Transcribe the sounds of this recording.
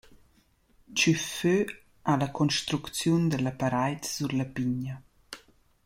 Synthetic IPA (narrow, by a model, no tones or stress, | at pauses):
t͡ʃyfø | ʔalakʰɔnʃt̪ɾukt͡sjund̪əlapaɾajtsuɾlapiɲa